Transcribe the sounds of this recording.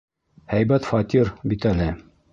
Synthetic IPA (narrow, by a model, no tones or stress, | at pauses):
hæjbæt̪fɑt̪ʲiɾbit̪ælɘ